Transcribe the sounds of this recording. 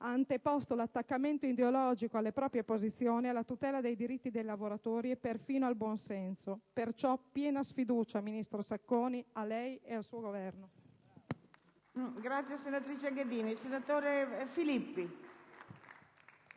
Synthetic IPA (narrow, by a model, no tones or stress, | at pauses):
aːnt̪epɔst̪olat̪ːakːament̪oid̪eolɔːd͡ʒikoalːepɾɔːpɾjepozit̪sːjoːnialːat̪ut̪ɛːlad̪ejd̪iɾit̪ːid̪ejlavoɾat̪oːɾiepːerfiːnoalbwɔnsɛnsopert͡ʃɔpːjɛːnasfid̪uːt͡ʃaminist̪ɾosakːoːnialːɛjealsuːoɡovɛrno | ɡɾat̪sːjesenat̪ɾit͡ʃeɡed̪iːnisenat̪oːɾefilipːi